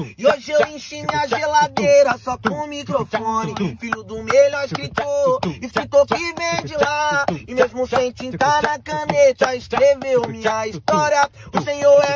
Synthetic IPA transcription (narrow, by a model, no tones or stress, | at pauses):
ɪoʒɪewẽj̃ʃimĩɐʒelad̪ejɾɐsɔkõmikɾofõnɪfilʊd̪ʊmelaiskɾit̪oɪskɾit̪okɪvẽj̃d͡ʒɪlaɪmezmʊsẽj̃t͡ʃĩt̪aɾnɐkɐ̃net̪ɐɪskɾevewmɪɐist̪ɔɾjɐ | ʊsẽɲoɾɛ